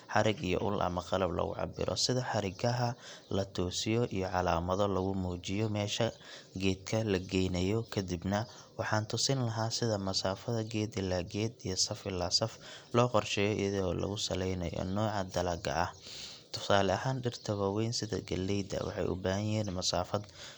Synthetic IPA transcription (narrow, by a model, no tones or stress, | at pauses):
ħɑɾɪɡijɔ̰ʔʊlʔɐ̰mɐqɑlɐblɐ̰ɣʊ̰ʕɑ̰bɪ̰ɾɔ̰sɪðɐħɑɾɪɡʰɐɦɐlɐt̪ʰɔːsɪjɔʔijɔʕɑlaːmɐðɔlɐɣʊmuːt͡ʃɪjɔmɛːʃɐ | ɡɛːd̪̚kʰɐlɐɡɛjnɐjɔkʰɐd̪ibnɐ | wɑħɑːnt̪ʰʊsɪnlɐɦaːsɪðɐmɐsaːfɐðɐɡɛːd̪ɪlːaːɡɛːd̪ijɔsɐfɪlːaːsɐflɔːqɔrʃɛːjɔḭjɐðɔːlɐ̰ɣʊsɐlɛjnɐ̰jɔ̰nɔːʕɑd̪ɐlaːɡɐ̰ʔɐht̪ʰʊ̥saːlɛɐɦaːnɖɪrt̪ʰɐβɐwɛjnsɪðɐ̰ɡɐlːɛjd̪ɐ̰wɑ̰ħɑ̰jʔʊ̰baːhɐjɪɦɛːnmɐsaːfɐd̪